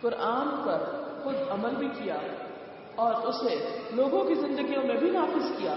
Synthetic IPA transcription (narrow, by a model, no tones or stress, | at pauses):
kʊɾʔaːnpɐɾxʊd̪ɐməlbʱikija | ɔːɾʊsneloːɡõkizɪ̃nd̪əɡijõmẽbʱinaːfɪzkijaː